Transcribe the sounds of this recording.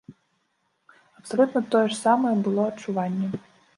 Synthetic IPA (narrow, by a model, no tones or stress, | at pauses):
ɐpsɐlʲut̪nɐt̪ɔjɛʂsamɐjɛbɨlˠɔɐtt͡ʂːuvanʲːɛ